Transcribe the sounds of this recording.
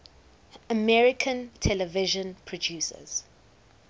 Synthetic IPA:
əmɛɹɪkʰə̃ntʰɛlɛvɪʒə̃npʰɹɔd͡ʒjuːsə̰z̥

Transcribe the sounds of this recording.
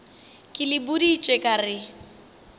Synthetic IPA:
kʼɪlɪbʊdit͡ʃʼɛkʼarɪ

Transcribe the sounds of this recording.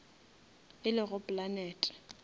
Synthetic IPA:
ɪlɪɣʊpʼlanɛːtʼɛ̥

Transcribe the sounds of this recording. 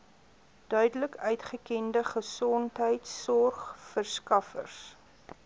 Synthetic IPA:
d̥œɥdələkœɥtχəkɛndəχəsɔntɦəjtsːɔrχfərskɐfə̰rs

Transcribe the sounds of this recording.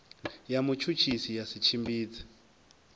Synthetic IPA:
jamut͡ʃʰut͡ʃʰisijasit͡ʃʰimbiːt͡sḁ

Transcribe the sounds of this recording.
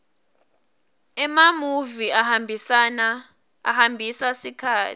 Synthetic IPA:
ɛmamuviahambʱisana | a̰hambʱisasikʰaːtʰi̥

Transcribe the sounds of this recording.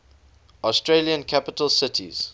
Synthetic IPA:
ɔstɹeliə̃nkʰapɪtəlsɪtʰḭz̥

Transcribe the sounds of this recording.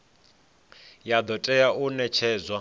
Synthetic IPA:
jad̪ɔtʼɛjaʔunɛt͡ʃʰɛːzwa

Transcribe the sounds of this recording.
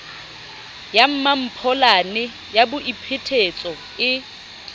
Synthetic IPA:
jam̩mam̩pʰɔlanɛ | jabʊʔipʰetʰet͡sʼɔ | ɪ

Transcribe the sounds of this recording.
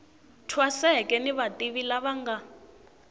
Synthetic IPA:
tʰwasɛkʼɛniβatʼiβilaβaŋɡa

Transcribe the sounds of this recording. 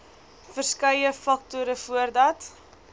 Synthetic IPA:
fərskœjəfɐk̚tuɾəfuərdɐt

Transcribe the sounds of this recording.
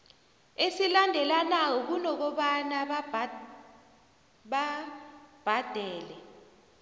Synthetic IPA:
esilandʱɛlanawɔk̬unɔk̬ɔɓanaɓ | ɓa | b̥ʱad̥ʱɛːlɛ

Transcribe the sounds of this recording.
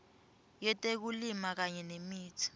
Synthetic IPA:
jɛtʼek̬ulimak̬aɲɛnemiːtʰi̥

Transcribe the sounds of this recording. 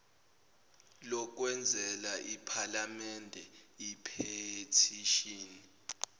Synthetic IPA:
lɔk̬wɛnd͡zʱɛlaʔipʰalamɛndʱɛipʰetʰiʃiːni

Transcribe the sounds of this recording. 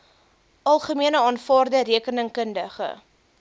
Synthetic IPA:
ʔɑlˠχəmiənəɑːnfɑːrdəɾiəkənəŋkəndəχə̰

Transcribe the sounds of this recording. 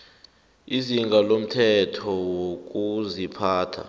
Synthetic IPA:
iziŋɡʱalom̩tʰɛtʰɔwok̬ʼuzipʰaːtʰa̰

